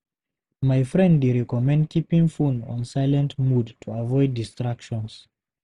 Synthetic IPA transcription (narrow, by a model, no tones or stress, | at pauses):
majfɹɛ̃ndeɹɛkɔmɛ̃ndkʰipĩŋfũnɔ̰̃nsaɪlɛ̃ntmudtʰuavɔɪdistɹakʃɔ̃ns